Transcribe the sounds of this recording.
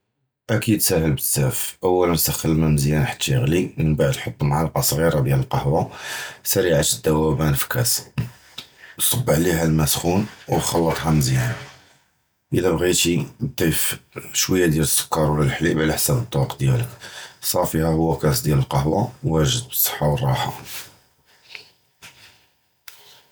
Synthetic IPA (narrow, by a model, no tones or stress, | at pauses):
ʔækid̪sæhəlbəsæfʔæwːælənsæxəlmæməzjænħḁt̪ːiɣliənbaʕəd̪lħot̪ˤːmʕalɑqɑsˤɣiɾɑd̪jæləlqɑhwɑsæɾiʕaʃəd̪ːæwæbænfi̥kæs | sˤɑbːʕliɦælmæsxunwxɑlːɑt̪ˤɦɑməzjæn | ʔəlæbɣit̪ibt̪ːæjfʃwəjːæd̪jæləsːʊ̥kːɑɾˤwlælħliʔbʕlæħsæbət̪ˤːɑbɑqd̪jæləksˤɑfihæhʊwːækæsd̪jæləlqɑɦwɑwːæʒəd̪̚bsˤːə̥ħːɑwərˤːɑħɑ̰